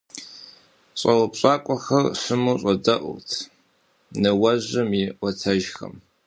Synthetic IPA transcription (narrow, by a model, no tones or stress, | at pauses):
ɕʼɐwpɕʼaːkʷʼɔxɐrɕɨmuːɕʼɐdɐʔʊ̰tʰ | nɨwɐʑɐmɪʔʷɔtʰɐʒxɐ̰m